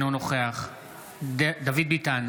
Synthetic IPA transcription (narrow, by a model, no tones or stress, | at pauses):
nunoχeaχ | d̪avid̪̚bit̪an